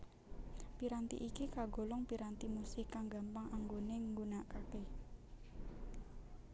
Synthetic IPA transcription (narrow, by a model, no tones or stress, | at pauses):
piɾant̪ḭʔikikaɡo̤lɔŋpiɾant̪imusɪkːaŋɡampaŋʔaŋɡoneŋɡunaʔkake